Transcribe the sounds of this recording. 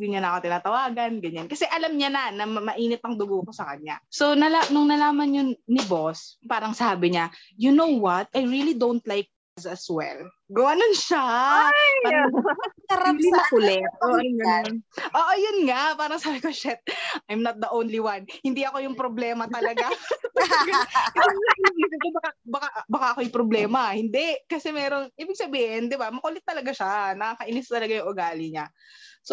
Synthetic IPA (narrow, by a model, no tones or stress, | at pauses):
ɡʊɲanɐkot̪ɪnaːt̪ɐwaːɡɐnɡɐɲankɐsɛʔɐlɐmɲanɐnɐmɐmɐʔiːnɪt̪̚ɐŋd̪ʊɡuʔkosɐkɐɲa̰so̞nɐlanʊŋnɐlaːmɐnjʊŋnɪbospaːɾɐŋsaːbɪɲa | jʊnowwɐt̪̚ʔɐjɹilid̪ownt̪lajk̚ | ɐzɐswɛ̰l | ɡɐwanonʃa | paɐk̪ɐɾabimɐkʊlɛ | ʔoʔɐjʊnŋapaːɾɐŋsaːbɪkoʃɛt̪̚ʔɐjmnɐt̪̚d̪ɐʔownliwanhɪnd̪iʔɐko̞jʊŋpɾoblɛːmɐt̪ɐlɐɡat̪ɐɡɐkɐsɐŋanɐid̪ɪk̪obɐkabɐkaʔbɐkaʔɐkoɐjpɾoblɛːmɐhɪnd̪ɛʔkɐsɛmɛːɾoŋʔiːbɪɡ̚sɐbiːhɪnd̪ɪbamɐkɐʔʊlɛt̪ːɐlɐɡaʃanɐkakɐʔɪnɪst̪ɐlɐɡajʊŋʔʊɡaːlɪɲa | so